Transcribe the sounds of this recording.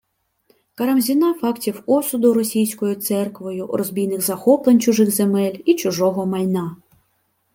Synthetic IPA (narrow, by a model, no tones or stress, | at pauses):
kɐɾɐmzʲinɑfɑktʲiwɔsʊd̪ʊɾɔsʲijsʲkɔjʊt̪sɛrkʋɔjʊrɔzʲbʲijnɪxzɐxɔplˠenʲt͡ʃʊʒɪxzemɛlʲit͡ʃʊʒɔɦɔmɐjʲnɑ